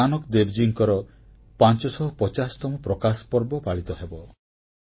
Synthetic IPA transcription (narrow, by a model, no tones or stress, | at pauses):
anɔkd̪ebd͡ʒiŋkɔɾɔ | pant͡ʃɔsɔɦɔpɔt͡ʃasɔ̥t̪ɔmɔpɾɔkaspɔɾbɔpaɭit̪ɔɦebɔ